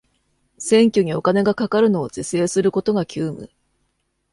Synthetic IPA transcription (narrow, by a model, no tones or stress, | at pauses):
sẽ̞ŋkʲoɲ̟io̞kane̞ɡakakaɾɯ̟no̞ːzese̞ːsɨɾɯ̟ko̞t̪o̞ɡakʲʰɨːmɯ̟̰